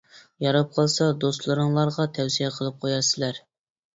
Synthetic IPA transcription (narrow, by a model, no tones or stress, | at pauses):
jɑɾɑp̚qʰɑlˠsɑd̪ost̪lˠɨɾɨŋlˠɑɾʁɑt̪ʰɛwsijɛqʰəlˠɨp̚qʰojɑɾsɪlæɾ